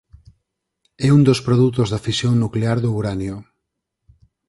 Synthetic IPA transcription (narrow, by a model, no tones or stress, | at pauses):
ɛund̪ospɾoðut̪ozðafisjoŋnukleaɾðouɾanjo